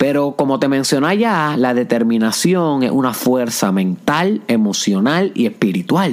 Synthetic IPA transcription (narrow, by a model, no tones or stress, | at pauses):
pe̞ɾo̞ko̞mo̞t̪e̞mẽnsjo̞naʝalaðe̞t̪e̞ɾmĩnasjo̞ŋḛsʔunafwe̞ɾsamẽ̞nt̪ale̞mo̞sjo̞nalie̞spiɾit̪wal